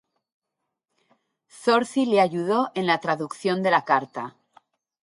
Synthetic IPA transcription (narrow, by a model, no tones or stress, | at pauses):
so̞ɾθileaʝuð̞o̞ʔe̞nlat̪ɾaðukθjo̞nd̪e̞lakaɾt̪a